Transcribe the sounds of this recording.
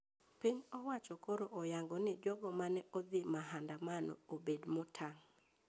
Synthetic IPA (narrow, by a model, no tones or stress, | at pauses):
pɪɲɔwat͡ʃɔkoɾoʔɔjaŋɡɔnɪd͡ʒɔɡɔmanɛʔod̪ɪmaɦandamanɔ̰obedmʊtʰaŋ